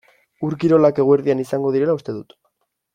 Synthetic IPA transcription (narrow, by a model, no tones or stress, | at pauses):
uɾkiɾo̞lake̞ɣoeɾðianisaŋɡo̞ðiɾe̞laust̪e̞ðut̪